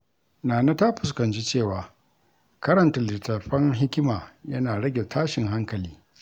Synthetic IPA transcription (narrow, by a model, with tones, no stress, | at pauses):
naː˨na˦ta˦ɸʊ˨s̬kɐ˨nt͡ʃi˦t͡ʃeː˦˨waː˨ | kɐ˦ɾɐ˨ntɐ˨lɪ˨tɐ˨ɸɐ˦ŋɦɪ˦kʲɪ˦maː˨jɐ˦naː˨ɽɐ˦ɡʲe˨tʰaː˦ʃɪ˨ŋɦa˦ŋkɐ˨liː˦